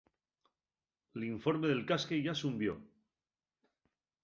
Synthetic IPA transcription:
eliɱfo̞ɾme̞ðe̞lkaskeʝasumbjo̞̰

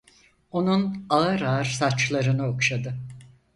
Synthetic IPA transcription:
o̞nunaɯɾaɾsat͡ʃlˠaɾɯnɯo̞kʃad̪ɯ

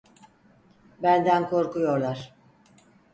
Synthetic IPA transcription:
bænd̪ænkʰo̞ɾkujo̞ɾlˠaɾ̥

